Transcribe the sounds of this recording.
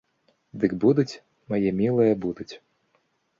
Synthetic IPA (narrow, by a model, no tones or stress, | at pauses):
d̪ɨɡbud̪ut͡sʲ | mɐjɛmʲilˠɨjɐbud̪ut͡sʲ